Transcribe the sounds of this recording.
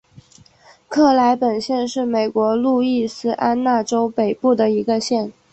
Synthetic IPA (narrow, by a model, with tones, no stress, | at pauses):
kʰɤ˥˩la˧˥ɪpə˨˩nɕjɛ˥˧nʂɻ̩˥˩me˨˩ɪkwɔ˧˥lu˥˧i˥˩sɹ̩˥ʔa˥nna˥˩ʈ͡ʂo˥ʊpe˨˩ɪpu˥˩d̪ə˩i˧˥ɡə˧ɕjɛ˥˩n